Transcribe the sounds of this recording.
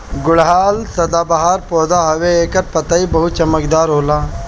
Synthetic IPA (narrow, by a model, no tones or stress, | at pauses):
ɡʊɭɦaːlsɐd̪aːbɐɦaːɾpoːd̪aːɦɐʋeːkɐɾpɐt̪ɐibɐɦut͡ʃɐmɐkd̪aːɾɦoːlaː